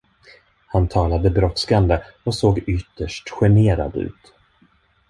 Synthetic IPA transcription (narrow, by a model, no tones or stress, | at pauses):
hant̪ʰɑːlad̪əbɾɔt̪skand̪əɔsoːɡʏt̪ːəʂʈɧɛɳeːɾa̰d̪ʉ̟̰ːt̪